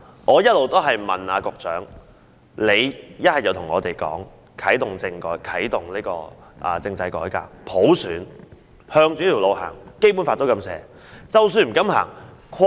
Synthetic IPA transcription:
ʔɔː˨˧jɐ˥t̚lo˨wt̪o˥wɦɐ˨jmɐ˨naː˨˧kʊ˧k̚t͡sœ̰ː˨˥ŋ | le˨˧jjɐ˥t̚hɐ˨jt͡sɐ˨˧wt̪ʰʊ˨˩ŋɔː˨˧t̪e˨jkɔ̰ː˨˥ŋ | kʰɐ˨˥jt̪ʊ˨˩ŋt͡sɪ˧ŋkɔː˨˥jkʰɐ˨˥jt̪ʊ˨˩ŋliː˥kɔ̰ː˧ʔɐ̰ː˨t͡sɪ˧ŋt͡sɐ˧jkɔː˨˥jka̰ː˧k̚pʰo˨˥wsyː˨˥n | hœː˧ŋt͡ʃyː˨˧˥i˨˩lo˨˧wha̰ː˨˩ŋke˥p̬u˨˥nfaː˧t̪ːkɐ˧msɛ̰ː˨˧ | t͡sɐ˨ws̬yː˧nm̩˨˩kɐ˨˥mha̰ː˨˩ŋkʰ

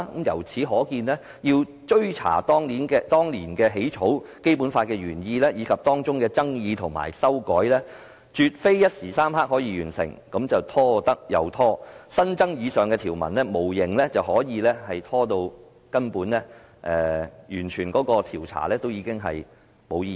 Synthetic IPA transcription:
kɐ˨˥mjɐ̰˨˩wt͡sʰiː˨˥ɦɔː˨˥kiː˧nlɛː˥ | jiː˧w | t͡ʃɵ˥ɥt͡sʰa̰ː˨˩t̪ɔː˥ŋniː˨˥nkɛː˧t̪ɔː˥ŋliː˨˩nkɛː˧ɦe˨˥jt͡ʃʰo˨˥wke˥jpuː˨˥nfaː˧t̚kɛː˧jyː˨˩njiː˧lɛː˥jiː˨˧kʰɐ˨p̚t̪ɔː˥ŋt͡ʃʊ˥ŋkɛː˧t͡sɐ˥ŋjiː˨˧t̪ʰʊ˨˩ŋma̰ː˨˩jsɐ˥wkɔː˨˥jlɛː˥ | t͡ʃyː˨t̚fe˥jjɐ˥t̚siː˨˩saː˥mɦaː˥k̚hɔː˨˥jiː˧jyː˨˩nsɪ̰˨˩ŋkɐ˨˥mt͡sɐ˨wt̪ʰɔː˥t̪ɐ˥k̚jɐ̰˨˧wt̪ʰɔː˥sɐ˥nt͡sɐ˥ŋjiː˨˧sœː˨ŋkɛː˧t̪ʰi˨˩wmɐ̰˨˩nlɛː˥mo˨˩wjɪ˨˩ŋlɛ˥t͡sɐ˨whɔː˨˥jiː˨˧lɛː˥hɐ˨jt̪ʰɔː˥t̪o˧w | kɐ˥npuː˨˥nlɛ˥ | ʔɛː˨˧jyː˨˩nt͡ʃʰyː˨˩nkɔː˨˥kɔː˧t̪ʰiː˨˩wt͡sʰa̰ː˨˩lɛː˥t̪o˥wjiː˨˧kɪ˥ŋɦɐ̰˨j | mo˨˧wjiː˧˨

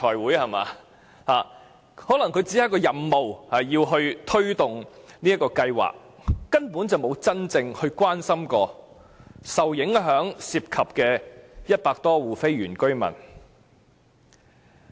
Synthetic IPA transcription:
tʰɔː˨˩jwuː˨˥jhɐ˨˩ma̰ː˨˧ | haː˨˩ | hɔː˨˥lɐ˨˩ŋkʰɵ˨˧ɥt͡si˨˥ɐ˨˥jkɔː˧jɐ˨mmo˨whɐ˨˩jiː˧wɦɵ˧ɥt̪ʰɵ˥ɥt̪ʊ˨ŋniː˥ɐ˥kːɔː˧kɐ˧jwa̰ː˨k̚ː | ɐ˥npu˨˥nt͡sɐ˨wmo˨˧wt͡sɐ˥nt͡sɪ˧ŋhɵ˧ɥkʷwaː˥nsɐ˥mkɔː˧ | sɐ˨wjɪ˨˥ŋɦœː˨˥ŋsiː˧p̚kʰɐ˨p̚kɛː˧jɐ˥t̚paː˧k̚t̪ɔː˥wuː˨˩fe˥jɥyː˨˩nkɵ˥ɥmɐ̰˨˩n

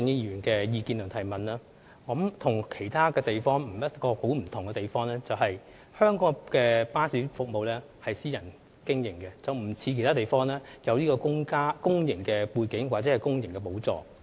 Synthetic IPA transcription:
ŋi˥i˧jyː˨˩nkɛː˧jiː˧kiː˧nlœː˨˩ŋt̪ʰɐ˨˩jmɐ˨naː˥ | kɐ˨˥mt̪ʰʊ˨˩ŋkʰe˨˩jt̪ʰaː˥kɛː˧t̪e˨jfɔː˥ŋm̩˨˩jɐ˥t̚kɔː˧ho˨˥wm̩˨˩t̪ʰʊ˨ŋkɛ˧t̪e˨jfɔː˥ŋlɛː˥t͡sɐ˨whɐ˨j | hœː˥ŋkɔː˧˥kɛː˧paː˥siː˨˥fʊ˨k̚mo˨wlɛː˥ | hɐ˨jsiː˥jɐ˨˩n | kɪ˥ŋjɪ˨˩ŋkɛ˧t͡sɐ˨wm̩˨˩t͡sʰiː˨˧kʰe˨˩jt̪ʰaː˥e˨˩jfɔː˥ŋlɛː˥jɐ˨˧wliː˥kɔː˧kʊ˥ŋkaː˥kʊ˥ŋjɪ˨˩ŋkɛː˧puː˧jkɪ˨˥ŋwaː˨t̚t͡sɛ˨˦hɐ˨jkʊ˥ŋjɪ˨˩ŋkɛ˧p̬o˨˥wt͡sɔ̰ː˨˩

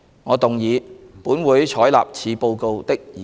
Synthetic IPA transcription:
ŋɔː˨˧t̪ʊ˨ŋjiː˨˧puː˨˥nwuː˨˥jt͡ʃʰɔː˨˥jla̰ː˨p̚t͡sʰiː˨˧po˧wko˧wt̪ɪ˥k̚jiː˨

